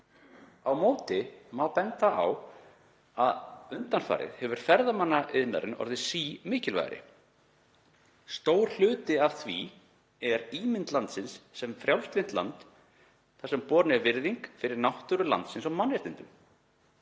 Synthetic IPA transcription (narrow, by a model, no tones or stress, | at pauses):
awmoːwt̪ɪmawpɛnt̪aa̰w | aðʏnt̪anfa̰ːɾɪ̰ðhɛvʏɾ̥fɛɾðamanːaʔɪðna̰ɾɪnɔ̰ɾðɪsiːmɪːcɪlva̰jɣɾɪ̰ | st̪oːwɾ̥l̥ʏːt̪ɪav̥θvḭ | ɛɾiːmɪnt̪lant̪sɪnsːɛmfɾjawlst̪vɪnt̪la̰nt̪ | θḁɾsɛmpɔːɾnɪɛɾvɪɾðiŋkfɪɾɪɾnawht̪ʏɾʏla̰nt̪sɪnsamanvɛɾt̪ɪnt̪ʏm